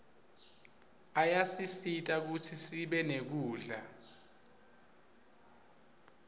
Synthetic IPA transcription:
ajasisitʼak̬utʰisiɓɛnek̬uːɮa

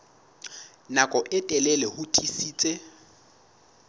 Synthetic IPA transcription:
nakʼɔʔɪtʼɛlɛlɛhʊtʰʼisiːt͡sʼe

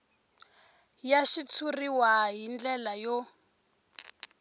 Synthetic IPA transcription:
jaʃit͡sʰuriwaɦind͡ɮɛlajɔ

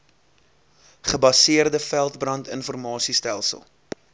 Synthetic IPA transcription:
χəbɐsiərdəfælˠtbrɐntə̰nfɔrmɑːsistælˠsə̰lˠ

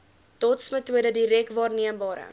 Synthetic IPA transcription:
tɔtsmətuədədiɾɛkvɑːrniəmbɑːɾə̰

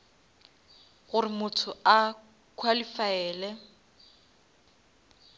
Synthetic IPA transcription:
ɣʊrɪmʊtʰʊa | kʰwalifaɛːlɛ

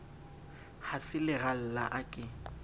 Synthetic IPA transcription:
hasɪlɪɣal̩la̰ʔakʼɪ

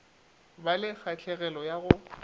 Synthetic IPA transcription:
balɪk͡xʰat͡ɬʰɛɣɛlɔjaɣʊ

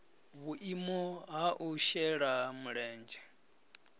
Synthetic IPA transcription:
βuʔimɔɦaʔuʃɛɺamuɺɛːnd͡ʒɛ

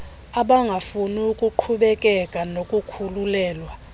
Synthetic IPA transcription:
aɓaŋɡʱafuniukʼuǃʰuɓɛkʼɛkʼanokʼukʰululɛːlwa

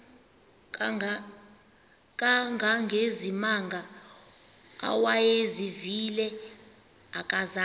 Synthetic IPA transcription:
k̬ʼaŋɡʱaŋɡʱezimaŋɡʱa | a̰wajezivilɛ | akʼaza

